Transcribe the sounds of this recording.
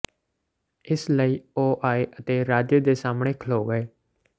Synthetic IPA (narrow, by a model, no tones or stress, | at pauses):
ɪsləiːoːʔaːeʔət̪eːɾaːd͡ʒəd̪eːsaːmɳ̃eːkʰəloːɡəeː